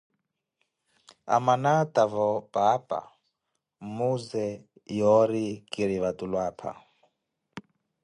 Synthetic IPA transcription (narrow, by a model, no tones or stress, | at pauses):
a̰manat̪ʼavɔpʼapʼa̰ | muzɛ | jɔɾikʼiɾiβat̪ulwaːpʰa̰